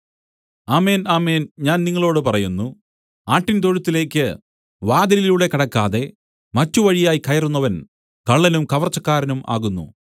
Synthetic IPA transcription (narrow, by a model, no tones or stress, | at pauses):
aːme̞ːnaːme̞ːnɲaːnniŋːɐɭo̞ːɽɨpɐrɐjunːu | aːʈːint̪̬oɻut̪ːile̞ːkːɨ | ʋaːd̪ɐliluːɽe̞kɐɽɐkːaːðe̞ | mɐtːuʋɐɻijaːjikɐjɐrunːɐʋɐn | kɐɭːɐnumkɐʋɐrt͡ɕːɐkːaːɾɐnuma̰ːɣunːṵ